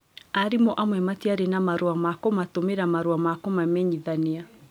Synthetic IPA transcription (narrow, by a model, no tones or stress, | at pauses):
aɾimɔʔamwɛmatiaɾenamaɾuamakɔmatomeɾamaɾuamakɔmamɛɲiðanea